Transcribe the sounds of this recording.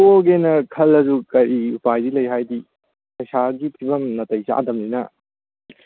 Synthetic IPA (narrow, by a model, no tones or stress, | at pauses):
oɡenɐkʰɐlɐzukɐɾiupajdilɐjɦajdi | kɐjsaɡipʰibɐmnɐtɐjsḭʔa̰dɐmninɐ̰